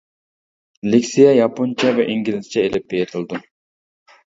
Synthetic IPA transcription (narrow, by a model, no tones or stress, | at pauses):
lɪkʲsijɛjɑpʰont͡ʃʰɛvɛʔiŋɡʲilɪzt͡ʃʰɛelɪp̚bejet̪ʰɨlˠd̪u